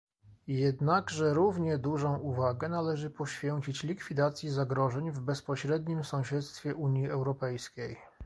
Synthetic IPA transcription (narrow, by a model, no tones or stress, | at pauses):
jɛd̪naɡʐɛɾuvɲɛd̪uʐɔ̃w̃uvaɡɛnalɛʐɘpɔɕfʲjɛɲt͡ɕit͡ɕlʲikfʲid̪at̪sʲjizaɡɾɔʐɛɲvbɛspɔɕɾɛd̪ɲimsɔ̃w̃ɕɛt̪st̪fʲjɛʔuɲjiɛwɾɔpɛjskʲej